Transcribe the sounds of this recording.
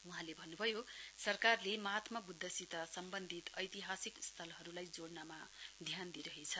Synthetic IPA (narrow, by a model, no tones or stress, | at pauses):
uɦãlebʱʌnːubʱʌjosʌrkarlemʌɦat̪mʌbud̪ʱːʌsit̪asʌmbʌnd̪ʱit̪ʌjt̪iɦasikst̪ʰʌlɦʌɾulajd͡zoɽnamad̪ʱjand̪iɾʌɦet͡sʰʌ